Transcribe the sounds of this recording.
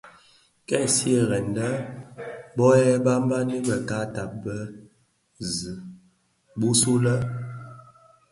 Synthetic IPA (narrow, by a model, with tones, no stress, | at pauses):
kɛ˦˨si˦ə˦˨ɣɛ˨ndə˦ | bɔ˦ɛ˦ba˦m˦ba˦ni˦bə˨ka˦ta˨p̚bə˦ | zɨ˨ | bu˦su˦lə˦